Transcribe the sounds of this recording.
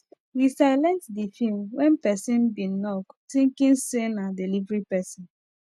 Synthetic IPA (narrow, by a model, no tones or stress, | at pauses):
wisaɪlɛ̃ntdifilmwɛ̃npɛsĩnbĩnɔktĩŋkĩnsenadilivɹipɛsĩn